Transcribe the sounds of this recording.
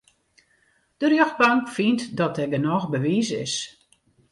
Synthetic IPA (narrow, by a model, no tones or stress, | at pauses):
d̥ərjøxbaŋkfintdɔt̚ɛɡənɔxbəʋiːsɪ̰s